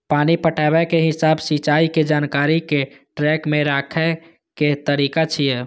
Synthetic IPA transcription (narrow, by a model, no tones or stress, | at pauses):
paːnipəʈʰabɛkeɦɪsaːbsit͡ʃaːiked͡ʒaːnkaɾike | ʈɾɛkmẽɾaːkʰɛ | ket̪əɾikat͡ʃʰijɛ